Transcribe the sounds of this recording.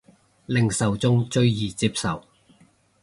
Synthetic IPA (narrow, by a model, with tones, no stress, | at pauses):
lɪ˨ŋsɐ˨wt͡sʊ˥ŋt͡ʃɵ˧ɥjiː˨t͡siː˧psɐ˨w